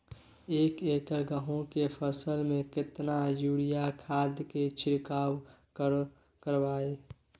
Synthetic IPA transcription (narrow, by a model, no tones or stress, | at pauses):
eːkeːkəɾɡəɦõkepʰəsəlmẽkɪt̪najuːɽijakʰaːd̪ʱjket͡ʃʰɪɾkaːwkəɾ | kəɾʋaːe